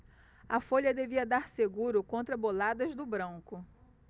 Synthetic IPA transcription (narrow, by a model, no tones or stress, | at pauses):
ɐfoʎɐd̪eviɐd̪aɾseɡuɾʊkõnt̪ɾɐbolad̪ɐzd̪ʊbɾɐ̃ŋkʊ